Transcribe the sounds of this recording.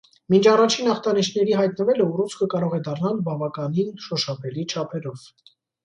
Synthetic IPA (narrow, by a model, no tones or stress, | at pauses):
mint͡ʃʰɑrɑt͡ʃʰinɑχt̪ɑniʃnɛɾiɦɑjt̪nəvɛləurut͡sʰkʰəkɑɾɔʁɛd̪ɑrnɑlbɑvɑkɑninʃɔʃɑpɛlit͡ʃʰɑpʰɛɾɔv̥